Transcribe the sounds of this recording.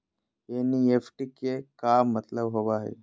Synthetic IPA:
eniefʈikekamːət̪ləbɦoʋaɦḛ

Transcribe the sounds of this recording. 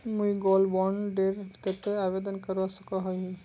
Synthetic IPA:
muiɡɔlbɔɳɖeɾt̪et̪eaʋed̪ənkəɾʋasəkəɦɔɦi

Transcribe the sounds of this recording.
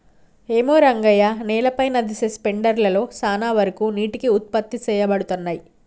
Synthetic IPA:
eːmoːɾɐŋɡɐjaːnɛːlɐpɐjnɐd̪isespeɳɖɐɾlɐlo̞ːsaːnaːʋɐɾɐkuːniːʈikiut̪̚pɐt̪ːit͡ʃɛːjɐbɐɽut̪unːaːji

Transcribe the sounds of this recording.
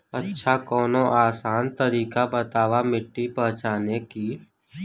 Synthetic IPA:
ətːʃʰakɔːnõʔaːsaːnt̪əɾiːkabət̪aːʋamɪʈːipɐɦt͡ʃaːneki

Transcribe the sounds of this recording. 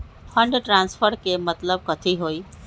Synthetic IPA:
fʰəɳɖʈɾãnsfəɾkemət̪ləb̚kət̪ʰiɦoi

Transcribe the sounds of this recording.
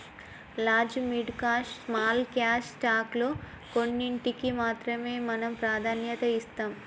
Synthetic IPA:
laːd͡ʒmiɖkaːʂsmaːlkjaːʂsʈaːklo̞ː | ko̞nːiɳʈikimaːt̪ɾɐme̞ːmɐnɐmpɾaːd̪ʱaːnjɐt̪ɐist̪aːm

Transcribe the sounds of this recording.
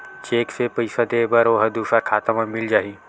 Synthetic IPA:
t͡ʃeːksepɐɪsɐd̪eːbɐɾoːɦɐd̪uːsaɾkʰaːt̪əmɐ̃mɪld͡ʒaːɦiː

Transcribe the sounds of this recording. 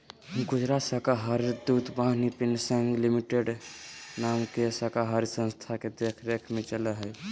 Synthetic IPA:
ɡud͡ʒɾasəkaɦaɾd̪ud̪baɦnipinsə̃ŋɡlimiʈeɖnamkesəkaɦaɾsə̃nst̪ʰaked̪ekʰɾekʰmẽt͡ʃələɦəj

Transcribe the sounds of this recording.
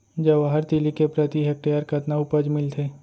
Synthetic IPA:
d͡ʒɐʋaɦəɾt̪ilikepɾɐt̪iɦɛk̚ʈeəɾkɐt̪naʊpəd͡ʒmɪlt̪ʰeː

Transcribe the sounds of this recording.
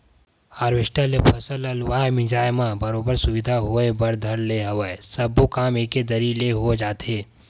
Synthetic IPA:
aːɾʋɪʃʈəlepʰɐsəlɐlʋaːemɪ̃d͡ʒaːjmãbɐɾoːbəɾsʊʋɪd̪ʱaɦoebɐɾd̪ʱɐɽleɦɐʋaesɐbokaːmeːked̪ɐɾileɦod͡ʒaːt̪eː

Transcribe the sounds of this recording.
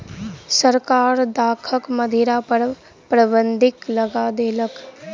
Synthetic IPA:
səɾkaːɾd̪aːkʰəkmɐd̪ʱiɾap | pɾəbə̃nd̪ʱɪklɐɡad̪eːlək

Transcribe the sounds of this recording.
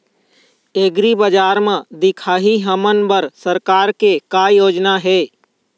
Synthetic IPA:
eːɡɾibəd͡ʒaːɾmẽd̪ɪkʰaːɦiɦəmənbəɾsəɾkaːɾkekaːjoːd͡ʒnaɦɛː

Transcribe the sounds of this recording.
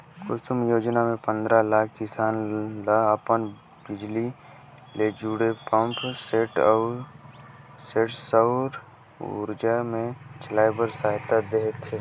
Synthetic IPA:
kʊsumjoːd͡ʒnamẽpə̃nd̪ɾalaːkʰkɪsaːnlaəpən | bɪd͡ʒli | led͡ʒuːɽepə̃mpʰseːʈɔː | seːʈsəwɾ | ʊ̰ɾd͡ʒamẽt͡ʃʰlaːjbəɾsaɦt̪ad̪eɦt̪ʰːeː

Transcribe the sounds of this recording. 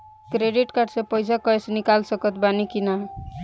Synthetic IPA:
kɾeɖiʈkaɾɖsẽpəjsakɔesnikalsəkət̪banikina

